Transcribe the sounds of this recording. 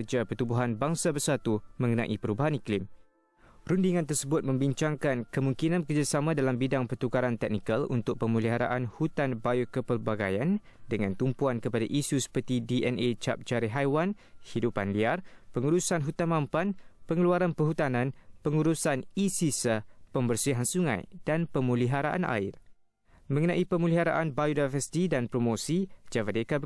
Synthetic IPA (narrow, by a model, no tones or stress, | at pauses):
d͡ʒapət̪ubuɦanbaŋsabərsat̪umə̃ŋənã̰ʔḭpəɾubaɦaniklɪm | ɾundiŋãnt̪ərsəbʊt̪̚mə̃mbiɲt͡ʃaŋkankəmuŋkinãnpəkərd͡ʒasamãdalambidaŋpərt̪ukaɾant̪ɛk̚nikalṵnt̪ʊk̚pəmuliɦaɾa̰ʔanhut̪anbajukəpərbaɡa̰jan | dəŋãnt̪umpuankəpadaʔisusə̥pərt̪idiʔɛnet͡ʃa̰p̚d͡ʒaɾiɦajwan | hidupanliarpəŋuɾusanɦut̪anmãmpanpəŋəluaɾanpəɦut̪anãnpəŋuɾusanisisəpəmbərsiɦansuŋã̰jd̥anpəmũliɦaɾaʔa̰nʔa̰ɪ̰r | mə̃ŋənãʔipəmuliɦaɾa̰ʔanbajudavəsi̥t̪idanpɾomosid͡ʒavadeka